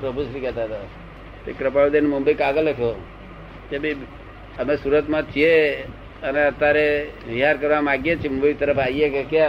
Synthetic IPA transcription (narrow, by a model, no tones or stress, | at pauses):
pɾəbʱusɾikɛt̪aɦət̪a | t̪ekɾəpaɭud̪enmʊmbəikaɡələkʰjo | kebʱi | əmesuːɾət̪mãt͡ʃʰie | əneət̪ːaɾeʋiɦaɾkəɾʋamaɡjet͡ʃʰimʊmbəik̚t̪əɾəpʰaijekeke